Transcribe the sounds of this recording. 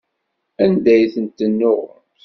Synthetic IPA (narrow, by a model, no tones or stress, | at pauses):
ænd̪æjθənt̪ːənːʊʁə̰nt̪